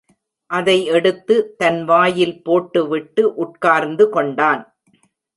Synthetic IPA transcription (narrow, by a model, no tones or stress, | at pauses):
ʔɐðɐɪɛɽɯt̪ːɯt̪ɐnʋaːjɪlpoːʈːɯʋɪʈːɯʔʊʈkaːɾnd̪ɯkɔɳɖaːn